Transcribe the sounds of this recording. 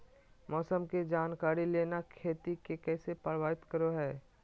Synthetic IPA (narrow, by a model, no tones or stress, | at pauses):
mɔːsəmked͡ʒaːnkaːɾileːnakʰeːt̪ikekɛːsepəɾʋaːɪt̪kəɾoɦɛː